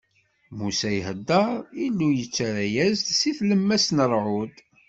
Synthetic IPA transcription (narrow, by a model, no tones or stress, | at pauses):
musæjhəd̪ːəɾˤilːujət͡sːɾæjæzsiθləmːæsnəɾˤʕʊd̪